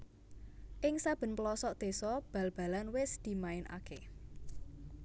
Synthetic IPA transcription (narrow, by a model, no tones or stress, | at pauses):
ʔɪŋsab̥ə̤nplɔsɔʔd̪̥e̤sɔb̥ä̤lb̥a̤lanwɪsd̪̥i̤maɪnʔa̰ke